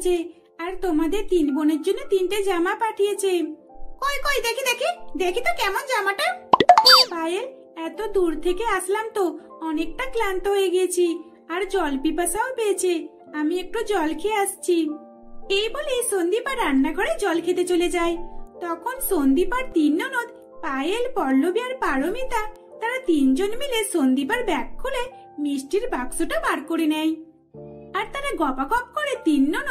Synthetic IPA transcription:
t͡ʃʰe | aɾt̪omad̪eɾt̪inboned͡ʒonet̪inʈed͡ʒamapaʈʰijet͡ʃʰe | kɔjkɔjd̪ekʰid̪ekʰid̪ekʰit̪okɛmɔnd͡ʒamaʈa | pajeɾ | ɛt̪od̪uɾt̪ʰekeaslamt̪o | ɔnekʈaklant̪oɦojeɡiet͡ʃʰi | aɾd͡ʒɔlpipasaopet͡ʃʰe | amiek̚ʈɔd͡ʒɔlkʰeast͡ʃʰi | ejbolesond̪ipaɾaɳːaɡʱɔɽed͡ʒɔlkʰet̪et͡ʃoled͡ʒajt̪ɔkʰonsond̪ipaɾt̪inːɔnot̪ | pajelpɔlːobiaɾpaɽomit̪a | t̪aɾat̪ind͡ʒonmilesond̪ipaɾbɛkʰːule | misʈiɾbaɡsuʈabaɽkoɽinɛj̃ | aɾt̪aɾaɡɔpakɔp̚kɔɾet̪inːɔn

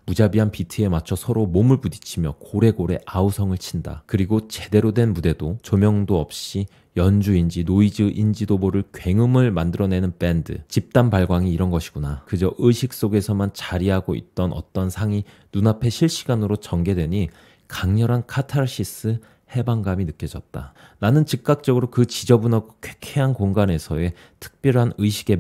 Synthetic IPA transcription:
mud͡ʑabiɦanpitʰɯe̞mat͡ɕʰʌsʰʌɾomomɯɭpudi̥t͡ɕʰimjʌkoɾe̞ɡoɾe̞ʔausʰʌŋɯɭt͡ɕʰinda̰kɯɾiɡot͡ɕe̞de̞ɾodwe̞nmude̞dot͡ɕomjʌŋdoʌp̚ɕ͈i | jʌnd͡ʑuind͡ʑinoid͡ʑɯʔind͡ʑidoboɾɯɭkɥwe̞ŋɯmɯɭmandɯɾʌne̞nɯnp͈e̞ndɯ̰t͡ɕip̚t͈anpaɭɡwaŋiːɾʌnɡʌɕʰi̥ɡ̥unakɯd͡ʑʌʔɯɕʰik̚s͈oɡe̞sʰʌmant͡ɕaɾiɦaɡoḭt̚t͈ʌnʔʌ̰t͈ʌnsʰaŋi | nunapʰe̞ɕʰiɭɕ͈iɡanɯɾot͡ɕʌŋɡe̞dwe̞ɲi | kaŋɲʌɾɦankʰatʰaɾɕ͈ʰis͈ɯ | he̞baŋɡaminɯk͈jʌd͡ʑʌt̚t͈a | nanɯnt͡ɕik̚k͈ak̚t͡ɕ͈ʌɡɯɾokɯt͡ɕid͡ʑʌbunʌɡokʰwe̥kʰeɦankoŋɡane̞sʰʌe̞ | tʰɯ̥k̚p͈jʌɭɦanɯjɕʰiɡe̞

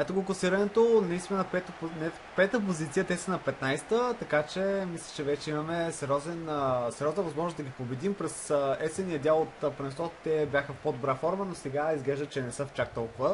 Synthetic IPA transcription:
ɛt̪oɡʊkʊosiɾɐnɛt̪onɐist̪inɛnɐpɛt̪nɛ | pɛt̪əp̬ozit̪siət̪ɛsənɐpɛt̪najst̪ət̪ɐkat͡ʃɛmislʲɐ̥t͡ʃɛvɛt͡ʃɛimɐmɛsɛɾɔzɛnsɛɾjɔznəvɐzmɔʒnosd̪ɐɡʲipobɛd̪impɾɛsɛsɛniəd̪ʲalˠot̪ːpɾɛst̪ɔt̪t̪ɛbjaxəfpod̪obɾafɔɾmənosɛɡaizɡlɛʒd̪ət̪t͡ʃɛnɛsəft͡ʃak̚t̪ɔlˠkʊvə

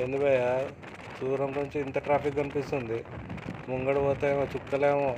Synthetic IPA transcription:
end̪ibɐja | suːɾɐmkuuɲt͡ʃiːnt̪ɐʈɾaːpikɡɐnipist̪und̪imuŋɡɐɽuɔːt̪ɐmɐt͡ʃukːɐleːmo

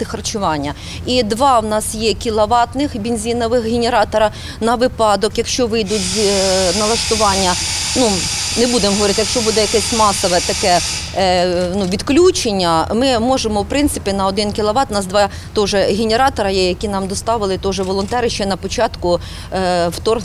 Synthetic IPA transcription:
ɪxɐrt͡ʃʊʋɑnʲːɐ | id̪ʋɑwnɑsjɛkʲilˠɐʋɑt̪nɪxbʲenʲzʲinɔʋɪxɦʲenʲeɾɑt̪ɔɾɐ | nɐʋɪpɑd̪ɔkjɐkʃt͡ʃɔʋɪjd̪ʊtʲzʲnɐlˠɐst̪ʊʋɑnʲːɐnunɛbud̪emɦɔʋɔɾɪt̪ɪjɐkʃt͡ʃɔbud̪ɛjɐkɛsʲmɑsɔʋɛt̪ɐkɛ | nuʋʲid̪klʲut͡ʃenʲːɐmɪmɔʒemɔwpɾɪnt̪sɪpʲinɐɔd̪ɪnkʲɪlˠɐʋɑt̪wnɑsd̪ʋɑ | t̪ɔʒɛɦʲenʲeɾɑt̪ɔɾɐjɛjɐkʲinɑmd̪ɔst̪ɑʋɪlˠɪt̪ɔʒɛʋɔlˠɔnt̪ɛɾɪʃt͡ʃɛnɐpɔt͡ʃɑt̪kʊ | wt̪ɔr

